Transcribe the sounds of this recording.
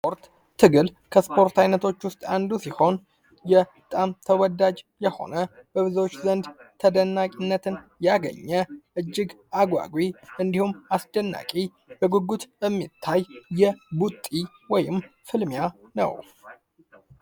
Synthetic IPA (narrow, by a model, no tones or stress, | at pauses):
spo̞ɾt̪ʰː | ɨɡɨlkʰəspʰo̞ɾt̪ʰajnət̪ʰo̞t͡ʃːwʊst̪ʼand̪usiho̞n | jɛ | t̪ʼamt̪ʰəwɔd̪ad͡ʒjɛho̞̰nəb̥əβɨzot͡ʃːzənd̪t̪ʰəd̪ənːakʼinːət̪ʰɨnjaɡə̰ɲːəʔɨd͡ʒːɪɡ | aɡʷa̰ɡwiɨnd̪ihumasd̪ənːa̰kʼi | bəɡuɡut̪ɛmːit̪ʰːajːɛbut̪ʼːi | wɔjɪmfɨlmjanə̰w